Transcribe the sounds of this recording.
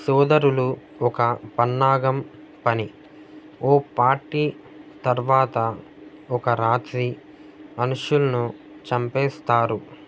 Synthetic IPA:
sɔːd̪ɐɾulu | ɔkɐpɐnːaːɡɐm | pɐni | oːpaːɾʈiː | t̪ɐɾʋaːt̪ɐ | ɔkɐɾaːt̪ɾi | ɐnuʃulɐnu | t͡ʃɐmpɛːst̪aːɾu

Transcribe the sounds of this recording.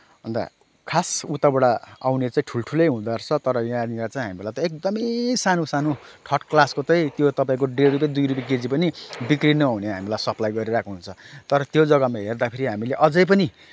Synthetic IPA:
bʌnd̪a̰ | kʰasut̪abʌɽaawnet͡saĩʈʰulʈʰulʌjɦũd̪art͡sʰʌt̪ʌɾʌjãnilat͡saĩɦamirlajt̪ʌek̚d̪ʌmʌsanosano | ʈʰʌʈklaskot͡sʌ̃j̃t̪jot̪ʌpaĩkoɖeɾup̬jãd̪ujɾup̬jaked͡zipʌnibikrinʌauneɦamilajsʌplajɡʌɾiɾakoɦunt͡sʰʌt̪ʌɾʌt̪jod͡zʌɡʌmaɦerd̪apʰeɾiɦamileʔʌd͡zʌjp̬ʌni

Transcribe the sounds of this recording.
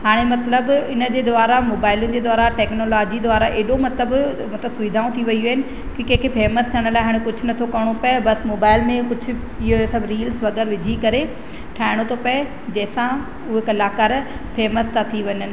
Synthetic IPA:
ɦaːɽ̃emɐt̪ləbɪnəd͡ʑeːd̪ʊʋaːɾamoːbaːɪlunɪ̆d͡ʑeːd̪aːɾaʈeːknoːlaːd͡ʑid̪ʊaːɾaʔeːɗomɐt̪ləb | mɐt̪ləbsʊʋid̪ʱaːũt̪ʰiʋɐijɐɦɪnɪ̆ | kikẽːkʰepeːməst̪ʰiəɽ̃laːɪɦaːɽ̃ẽkʊd͡ʑʱʊ̆nɐt̪ʰokɐɽ̃opɐebɐsmoːbaːɪlmẽkʊd͡ʑʱʊ̆ | ɪɦosɐbɾiːlsʋɐɡəɾʋɪd͡ʑʱikɐɾe | ʈʰaːɪɽ̃ot̪ʰopɐe | d͡ʑɐːsã | ʊɦkɐlaːkaːɾpʰeːməst̪ʰat̪ʰiʋɐɲənɪ̆

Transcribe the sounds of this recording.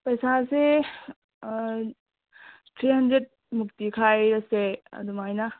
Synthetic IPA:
pɐjsase | tʰɾiɦɐndɾet̚ | muk̚tikʰajɾɐseɐ̰d̪umajnɐ

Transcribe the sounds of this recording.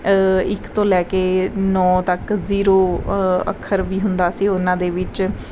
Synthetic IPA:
ɪkt̪õːlɛːkeːnɔːt̪əkziːɾoːə̰kʰːəɾʋiːɦʊnd̪aːsiːʊnãːd̪eːʋɪt͡ʃ

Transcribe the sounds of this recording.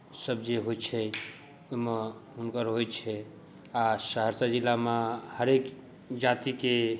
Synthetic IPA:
səb̚d͡ʒeɦot͡ʃʰɛ | oɦmeɦunkəɾɦojt͡ʃʰɛ | asəɦəɾsəd͡ʒilːamehəɾek | d͡ʒat̪ike

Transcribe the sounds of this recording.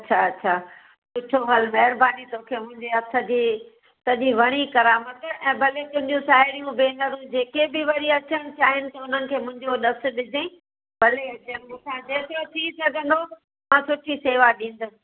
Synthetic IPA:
ɐtːɕʰaɐtːɕʰaː | sʊʈʰoɦɐlmɐɦɪɾbaːnit̪oːkʰeːmʊ̃ɦɪ̃ɲd͡ʑeɐsɐd͡ʑi | sɐʄiʋɐɽ̃ikɐɾaːmət̪ɛ̃ːbʱɐlet̪ʊ̃ɦɪ̃ɲd͡ʑũsaːɦɪɾijũbeːnɐɾũd͡ʑeːkebɪʋɐɾiɐt͡ɕəɽ̃ɪ̃̆t͡ɕʰaːɦɪnɪ̆t̪ɐʊn̤ənɪ̆kʰeːmʊ̃ɦɪ̃ɲd͡ʑoɗɐsʊ̆ɗɪd͡ʑʱeĩ | bʱɐleɐt͡ɕəɾmʊ̃sãd͡ʑeːt̪ɾot̪ʰĩsɐɡʱə̃n̆d̪o | mãsʊʈʰiseːʋaɗĩːn̆d̪os

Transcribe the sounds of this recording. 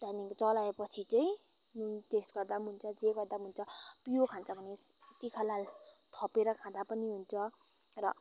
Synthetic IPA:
t̪anikt͡sʌlaepʌt͡sʰit͡sʌĩ | nunt̪esɡʌrd̪amunt͡sʰʌd͡zeɡʌrd̪am̤unt͡sʰʌpijokʰãnt͡sʰʌpʌni | t̪ikʰʌlal | t̪ʰʌpeɾʌkʰãd̪apʌniɦunt͡sʰʌ | rʌ̰

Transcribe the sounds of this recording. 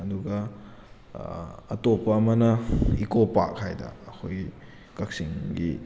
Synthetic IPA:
ɐduɡɐ | ɐtopɐːmɐnɐikopa̰khajdɐ̰ːkʰoj | kɐk̚siŋɡḭ

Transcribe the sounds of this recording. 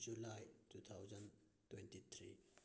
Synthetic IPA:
d͡ʒulajtut̪ʰawzɐn | twɛntit̪ʰɾḭ

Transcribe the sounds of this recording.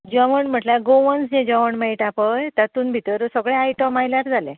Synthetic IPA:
d͡ʑəʋəɳm̤əʈlaɡoʋənsd͡ʑẽd͡ʑəʋəɳmeiʈapəjt̪jat̪uːnbʱit̪əɾsəɡɭẽajʈəmajlaɾd͡zʱalẽ

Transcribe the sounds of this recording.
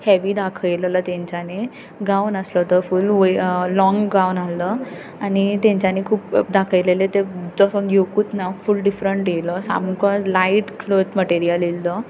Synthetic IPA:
hɛʋiːd̪akʰəjləlat̪ɛ̃ɲt͡ɕane | ɡawnəslət̪əɾfulʋoːɔŋɡɡawnalə | anit̪ɛ̃ɲt͡ɕanekʰuːp̚d̪akʰəjlelet̪ed͡zɔsəjokuːt̪nafulɖifɾəɳʈjeləsa̰mukəlaiʈkʰlod͡zməʈeɾijəlelːə

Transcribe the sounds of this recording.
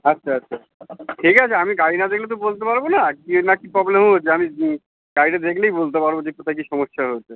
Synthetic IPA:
atːɕʰaatːɕʰa | ʈʰikat͡ɕʰeamiɡainad̪ekʰlet̪̬obolt̪epaɾbonakinakipɾɔblemɦojt͡ɕʰeami | ɡaiʈad̪ekʰlejbolt̪epaɾbod͡ʑekot̪ʰajk̬iʃɔmoʃːaɦoet͡ɕʰe

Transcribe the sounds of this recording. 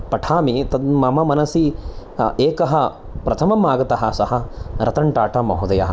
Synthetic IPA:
pɐʈʰaːmit̪ɐd̪mɐmɐmɐnɐsi | eːkɐɦɐ | pɾɐt̪ʰɐmɐmaːɡɐt̪ɐɦɐsɐɦɐɾɐt̪ɐɳʈaːʈɐmɐɦud̪ɐjɐɦɐ

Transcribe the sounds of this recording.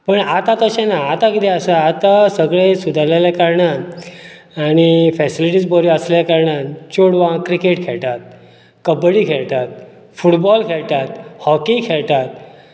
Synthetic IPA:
pəɳat̪ãt̪əɕãnaːt̪ãkit̪eəsaːt̪asəɡɭesud̪ʱalelakaɾɳa | añifɛsiliʈiːd͡zbɔɾiəslljakaɾɳat͡ɕoɽʋãkɾikeʈkʰeɭt̪at̪̚ | kəbɽiːkʰeɭt̪at̪̚ | fuʈbɔlkʰeɭt̪at̪hɔkikʰeɭt̪at̪̚

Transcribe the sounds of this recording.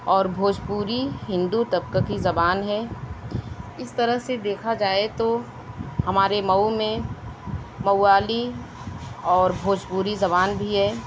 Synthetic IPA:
ɔːɾbʱoːd͡ʒpuːɾiɦɪ̃nd̪ut̪ɐb̚kakizɐbaːnɦɛː | ɪst̪ɐɾəɦsed̪eːkʰad͡ʒaːet̪o | hɐmaːɾemɐwmẽ | mɐaːli | ɔːɾbʱoːd͡ʒpuːɾizɐbaːnbʱiɦɛː

